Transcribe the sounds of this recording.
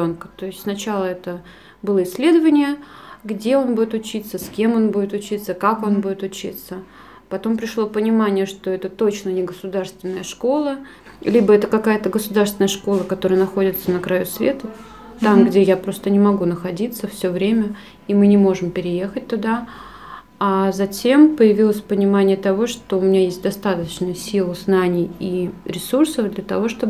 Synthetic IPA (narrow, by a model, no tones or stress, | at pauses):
onkə̥t̪o̞ɪsʲtʲsnɐt͡ɕalˠəɛt̪ə | bɨlˠəɪsʲːlʲe̞d̪əvənʲɪjəɡdʲeo̞nbudʲɪt̪ʊt͡ɕit̪sːəskʲe̞mo̞nbudʲɪt̪ʊt͡ɕit̪sːəkako̞nbudʲɪt̪ʊt͡ɕḭt̪sə | pɐt̪o̞mpɾʲɪʂlˠo̞pənʲɪmanʲɪjəʂt̪o̞ɛt̪ət̪o̞t͡ɕnənʲɪɡəsʊd̪arst̪vʲɪnːəjəʂko̞lˠə | lʲibəɛt̪əkɐkajət̪əɡəsʊd̪arst̪vʲɪnəjəʂko̞lˠəkɐt̪o̞ɾəjənɐxo̞dʲɪt̪sənəkɾɐjusvʲe̞t̪ə | t̪amɡdʲejapɾo̞st̪ənʲɪmɐɡunəxɐdʲit̪səfsʲovɾʲemʲə | imɨnʲɪmo̞ʐɨmpʲɪɾʲɪje̞xət̚ʲt̪ʊd̪a | azɐtʲe̞mpəjɪvʲilˠəsʲpənʲɪmanʲɪjət̪ɐvo̞ʂt̪oʊmʲɪnʲajesʲt̚ʲd̪ɐst̪at̪əət͡ɕnəjəsʲilˠɨznanʲɪjiɾʲɪsursəfd̪lʲət̪ɐvo̞ʂt̪ob